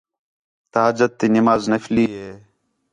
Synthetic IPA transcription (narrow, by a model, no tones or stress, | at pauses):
t̪aaːd͡ʒət̪ːiːnɪmaːznəfliːɦeː